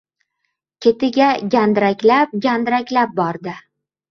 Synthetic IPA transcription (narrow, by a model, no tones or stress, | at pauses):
kʲʰet̪ɪɡʲaɡʲand̪ɾakʲlap̚ɡʲand̪ɾakʲlap̚bɒɾd̪ɪ